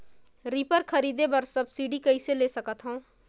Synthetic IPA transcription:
ɾiːpəɾkʰɐɾiːd̪ebɐɾsɐbsiːɖikɐiseleːsɐkət̪ɦõː

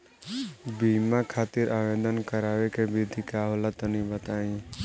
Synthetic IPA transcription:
bimakʰaːt̪iɾʔaʋẽd̪ənkəɾaːʋekebid̪ʱikaɦolat̪ənĩbət̪aːĩ

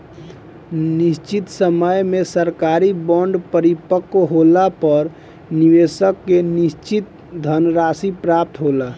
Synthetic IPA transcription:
nist͡ʃit̪səməjmesəɾkaɾibɔɳɖpəɾipəkːɦolapəɾ | niʋesəkːenist͡ʃit̪̚ | d̪ʱənɾasipɾap̚t̪ɦola

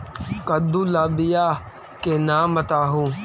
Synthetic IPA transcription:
kɐd̪ũːlaːbɪjaː | kenaːmɐt̪aːɦũː

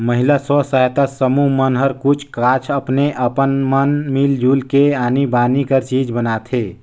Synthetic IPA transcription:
məɦilasɔsajt̪asəmumənɦəɾkut͡ʃʰkat͡ʃʰəpneʔəpənmənmild͡ʒʱulkeaːnibaːnikəɾt͡ʃid͡ʒbənat̪ʰe

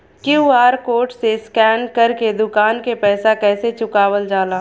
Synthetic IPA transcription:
kjuːaːɾkoːʈseskɛːnkɐɾked̪ʊkaːnkepɛːsakɛːset͡ʃʊkaːwəld͡ʒaːlaː

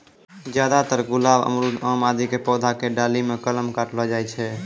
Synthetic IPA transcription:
d͡ʒjad̪at̪əɾɡʊlaːbə̰mɾud̪amad̪ʱikepɔːd̪ʱakeɖalimekələmkaʈlad͡ʒajt͡ʃʰɛ

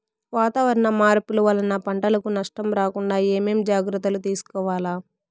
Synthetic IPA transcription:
ʋaːt̪aːʋɐɾɐnɐmaːɾpuluʋɐlɐnɐpɐɳʈɐlɐkunɐʂʈɐmɾaːkuɳɖaːeːmeːmd͡ʒaːɡɾɐt̪ːɐlut̪iːsu̥kɔːʋaːlaː

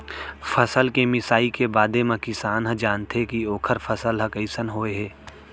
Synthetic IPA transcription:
fʰəsəlkemɪsaːikebaːd̪emãkɪsaːnɦə̃d͡ʒaːnt̪ekioːkʰəɾfʰəsəlɦɐkəɪsənɦoːeɦɛː

